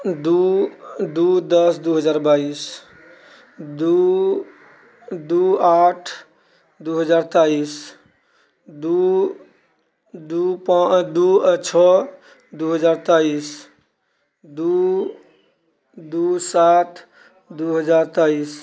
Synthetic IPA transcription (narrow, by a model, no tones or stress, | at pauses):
d̪u | d̪ud̪əsd̪uɦəd͡ʒaɾbais | d̪u | d̪uaʈʰ | d̪uɦəd͡ʒaɾt̪ais | d̪u | d̪upad̪uət͡ʃʰɔ | d̪uɦəd͡ʒaɾt̪ais | d̪u | d̪usat̪ʰ | d̪uɦəd͡ʒaɾt̪ais